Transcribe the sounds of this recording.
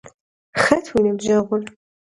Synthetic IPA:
xɐtʰwinɨbʑɐʁʷʊn

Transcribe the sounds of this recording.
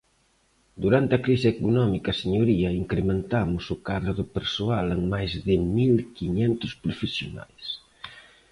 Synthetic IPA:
d̪uɾant̪ɪɐkɾisɪekunɔmikɐseɲoɾiɐiŋkɾemẽnt̪amʊsʊkaðɾʊðʊpeɾsoaleŋmajzðɪmilkiɲɛnt̪ʊspɾofesjona̰js

